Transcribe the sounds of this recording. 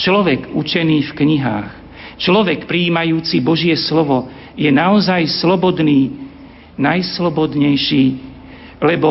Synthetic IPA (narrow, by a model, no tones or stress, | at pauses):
t͡ʃlɔʋɛkṵt͡ʃɛniːfkɲiɦa̰ːx | t͡ʃlɔʋɛkpɾiːmajuːt͡sibɔʒɪɛslɔʋɔ | jɛnaɔzajslɔbɔd̪niː | najslɔbɔd̪ɲɛjʃiː | lɛbɔ